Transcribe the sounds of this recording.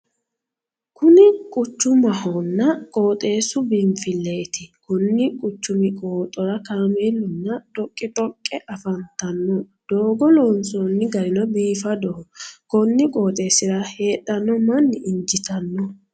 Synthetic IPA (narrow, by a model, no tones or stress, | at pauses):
kʊnɪkʼʊt͡ʃːʊmɐhɔnːɐkʼoːt̪ʼe̞ːsʊbɪmfɪlːeːt̪ɪkʊnːɪkʼʊt͡ʃːʊmɪkʼoːt̪ʼɔɾɐkaːmeːlːʊnːɐt̪ʼɔkʼːɪt̪ʼɔkʼːɛʔɐfɐnt̪ɐnːɔ | d̪̥oːɡɔlɔːnsɔnːɪɡɐɾɪnɔbiːfɐd̪ɔhɔkɔnːɪkʼoːt̪ʼe̞ːsɪɾɐhe̞ːtːɐnːɔmɐnːɪɪɲd͡ʒɪt̪ɐnːɔ